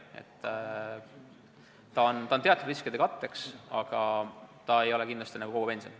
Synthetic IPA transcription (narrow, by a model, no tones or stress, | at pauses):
ḛt̪ː | ɑont̪ɑont̪e̞ɑt̪ud̥̪riskid̪e̞kɑt̪ːe̞ksɑ̰ɡ̥ɑt̪ɑe̞jo̞le̞kind̪lɑst̪inæɡukoɡupe̞nsio̰n